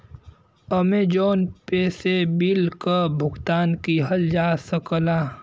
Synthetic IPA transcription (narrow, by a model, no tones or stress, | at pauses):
əmed͡ʒoːnpeːsebilkəbʱʊɡt̪aːnkiɦəld͡ʒaːsəklaː